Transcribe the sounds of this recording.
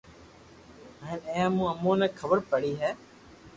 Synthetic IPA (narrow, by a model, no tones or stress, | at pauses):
əɪnẽːãːmũːəmõːnɛ̃ːkʰəbəɾpəɽiːɦɛː